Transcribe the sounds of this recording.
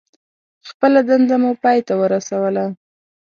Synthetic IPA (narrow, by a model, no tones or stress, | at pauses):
xpəlad̪and̪amupɑjt̪awəɾasawəla